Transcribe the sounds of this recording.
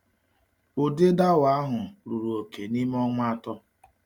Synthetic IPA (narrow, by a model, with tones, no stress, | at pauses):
ʊ˨dɪ˦da˦wa˦ɦʊ˨ɾu˨ɾu˨o˨ke˨ni˦m˦ɔ˦ŋʷa˦tɔ˦